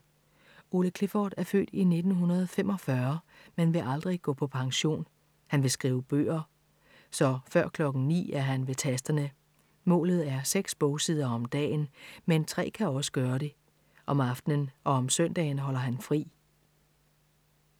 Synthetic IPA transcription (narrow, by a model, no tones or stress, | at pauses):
o̝ləkʰlefɒ̰ːd̥æɐfø̰ːd̥ine̝d̥n̩ɦunɐð̞ˠfemɒ̽fɶɐ | menʋe̝ʔɑ̈ld̥ʁiɡ̥ɔ̰̽ːpʰɒ̽pʰɑ̈ŋɕo̝̰ːn | hænʋe̝sɡ̥ʁiːʊəb̥ø̰ːɐ | sɒ̽fɶɐ̰kʰlɒ̽ɡ̥n̩nḭːæɐɦænʋe̝t͡sʰæsd̥ɐnə | mɔ̰ːlð̩ˠæɐseɡ̥sb̥ɔʊsið̞ˠɐɒ̽md̥ɛ̰ːnment͡sʰʁɛ̰ːkʰæɒ̽sə̥ɡ̥ɶːɐɾe̝ | ʔɒ̽mɑ̈fd̥nənʔɒ̽ɒ̽msœn̰d̥ɛ̰ːnɦɒ̽l̰ɐɦænfʁḭː